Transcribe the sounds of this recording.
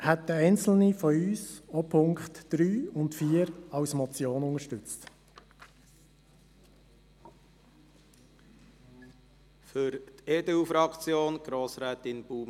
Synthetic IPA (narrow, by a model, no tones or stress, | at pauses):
hɛt̚dəɛɪnt͡sl̩nifɔyːsɔpʰʊŋkχtd̥ɾyːʊntfiːəɾɑwsmɔt͡sjoːnʊŋəʃtʏt͡st | fʏɾt̪ed̪ɛufɾɑkt͡sjoːnɡ̥ɾoːsɾɛːt̪ɪnb̥uːm